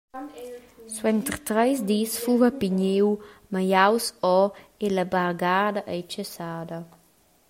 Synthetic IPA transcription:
swɛnt̪ɾt̪ɾɛjsd̪isfuvapiɲewmajawsɔelabaɾɡad̪aʔɛjt͡ʃəsaːd̪ɐ

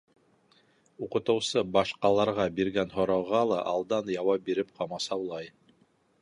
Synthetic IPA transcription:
uqɤ̆t̪ɤ̆wsɤbɑʃqɑlˠɑɾʁɑbiɾɡænɦŏɾɑwʁɑlˠɑʔɑlˠd̪ɑnjɑwɑp̚biɾɘp̚qʰɑmɑsɑwlˠɑj

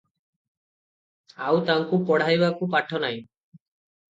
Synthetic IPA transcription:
awt̪aŋkupɔɽ̤ajbakupaʈʰːɔnaj̃

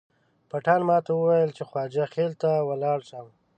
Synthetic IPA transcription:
paʈɑnmɑt̪awəwajəlt͡ʃexwɑd͡ʒaxelt̪awalɑɽʃaw

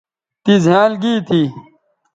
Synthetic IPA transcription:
t̪izjaːlɡiːt̪ʰi

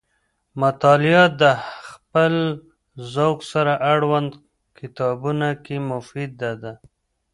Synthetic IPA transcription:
mat̪ɑlɪjɑt̪̚d̪əxpəl | zawksaɾaʔaɽwand̪ | kɪt̪ɑbunakemʊfid̪̚ːad̪a

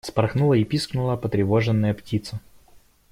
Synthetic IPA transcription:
spɐɾxnulˠəɪpʲisknʊlˠəpət̪ɾʲɪvoʐɨnːəjəptʲit̪sə

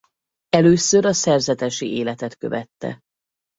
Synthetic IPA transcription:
ɛløːsøɾɒsɛrzɛt̪ɛʃieːlɛt̪ɛt̪kø̞̰vɛt̪ːɛ̰

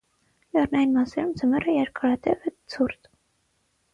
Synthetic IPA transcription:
lɛrnɑjinmɑsɛɾumd͡zəmɛrəjɛɾkʰɑɾɑt̪ɛvɛt͡sʰurt̪

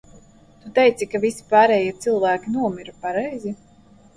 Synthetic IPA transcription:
t̪ut̪ɛjt̪sikavisi̥paːɾɛːjiɛt̪sɨlˠvæːkʲinuɔmiɾupaɾɛjzi

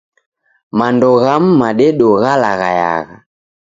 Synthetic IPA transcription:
mandɔɣam̩maɗɛɗɔɣalaɣaja̰ɣa

